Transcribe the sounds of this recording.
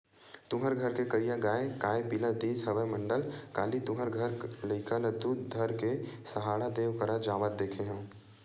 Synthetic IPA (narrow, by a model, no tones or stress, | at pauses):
t̪ʊɦəɾɡʱəɾkekəɾijãɡaːekaːepilad̪iːsɦəʋəmə̃ɳɖəlkaːlit̪ʊɦəɾɡʱəɾləɪkʰəld̪uːd̪d̪ʱəɾkesəɦaːɽad̪eːwkəɾad͡ʒaːʋət̪̚d̪eːkʰeɦɛ̃ː